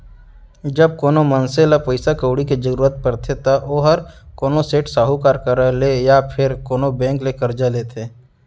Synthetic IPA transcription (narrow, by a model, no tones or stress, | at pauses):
d͡ʒəb̚koːnomənselapəɪsakoʊɽiked͡ʒəɾuːɾət̪̚pəɾt̪ʰet̪aʔoːɦəɾkoːnoseːʈsaːɦukaːɾkəɾlejapʰɪɾkoːnobɛ̃ːŋklekɐɾd͡ʒaleːt̪ʰeː